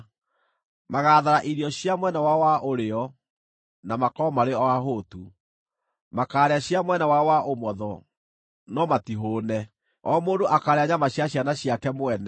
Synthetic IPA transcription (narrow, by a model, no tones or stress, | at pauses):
maɣaːðaɾaʔiɾiɔɕjamwɛnawawaʔoɾeɔ | namakɔmaɾeɔaɦoːtu | makaːɾeaɕjamwɛnawawaʔomwɔðɔ | nɔmatiɦonɛ | ɔːmoːndoʔakaːɾeaɲamaɕjaɕanaɕjakɛmwɛnɛ